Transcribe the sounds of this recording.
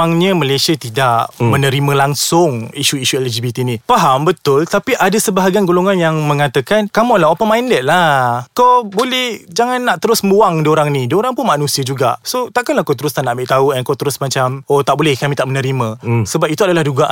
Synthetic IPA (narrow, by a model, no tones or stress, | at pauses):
aŋɲə̃malajsiat̪idaʔmənə̃ɾimə̃laŋsʊŋiʃuiʃuɛlad͡ʒibit̪inĩpaɦambət̪ʊlt̪apiʔadasəbaɦaɡianɡoloŋãnjaŋmə̃ŋat̪akankamalaɦopəmajndɛt̪̚lakawbolɛhd͡ʒaŋanːaʔt̪əɾʊsmuwaŋdioɾaŋnĩdioɾaŋpʊnmanũsiəd͡ʒuɡa̰ʔsot̪aʔkanlahkawt̪əɾʊst̪anaʔmbeʔt̪auɛnkawt̪əɾʊsmat͡ʃamot̪aʔbolɛhkamĩt̪aʔmənə̃ɾimãsəbapit̪uadalahduɡaʔ